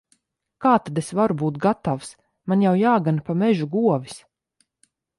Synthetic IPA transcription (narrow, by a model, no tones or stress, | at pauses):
kaːt̪ad̪esvaɾubuːt̪̚ɡat̪aws | manjawjaːɡanpamɛʒuɡuɔvis